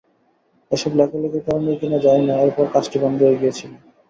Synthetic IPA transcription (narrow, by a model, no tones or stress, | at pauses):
eʃɔblɛkaloket̪ɔɾoniokinad͡ʑaeneoaɾpɔɾkaʃʈibɔnd̪ʱoɦoeɡiet͡ɕʰilo